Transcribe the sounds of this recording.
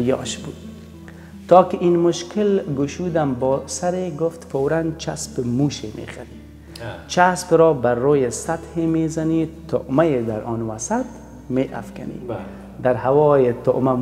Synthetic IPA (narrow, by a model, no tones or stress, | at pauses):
jɔ̰ːʃbuːd̪ | t̪ɔːkɪʔinmʊʃkɪlɡʊʃud̪ambɔːsaɾeɡʊft̪fowɾant͡ʃʰaspmuʃemʔḛχaɾi | t͡ʃʰaspɾɔːbarojesat̪hemezanit̪oʔmajed̪aɾɔnwasat̪ | meːʔa̰fka̰nḭ | d̪aɾhawɔːjet̪ʊ̰ʔma